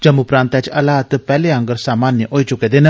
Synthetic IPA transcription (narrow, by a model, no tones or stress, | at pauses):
d͡ʒɐmupɾãːnt̪ɛt͡ʃɐlaːt̪pɛːleɐ̃ŋɡəɾsaːmaːnjəʔoːit͡ʃʊked̪en